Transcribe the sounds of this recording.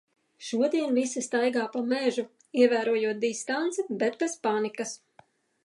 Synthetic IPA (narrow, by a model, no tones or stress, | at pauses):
ʃuɔd̪iɛnvisast̪ajɡaːpamɛʒu | iɛvæːɾuɔjuɔt̪̚d̪ist̪ant̪sɛbɛt̪̚pɛspanikɐs